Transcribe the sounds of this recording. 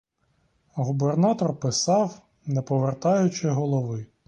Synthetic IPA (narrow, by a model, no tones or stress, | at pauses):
ɦubernɑt̪ɔrpɪsɑw | nɛpɔʋert̪ɑjʊt͡ʃɪɦɔlˠɔʋɪ